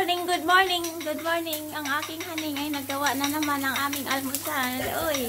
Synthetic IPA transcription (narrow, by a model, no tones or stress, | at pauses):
nɪŋɡʊd̪̚moɹnɪŋɡʊd̪̚moɹnɪŋɐŋʔaːkɪŋhɐnɪŋɐjnɐɡ̚ɐwaʔnɐnɐmanɐŋʔaːmɪŋʔɐlmʊsalʔoj